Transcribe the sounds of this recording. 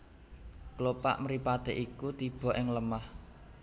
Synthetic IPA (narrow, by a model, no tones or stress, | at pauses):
klopa̰ʔməɾipat̪eʔikut̪ib̥ɔ̤ʔɪŋləmah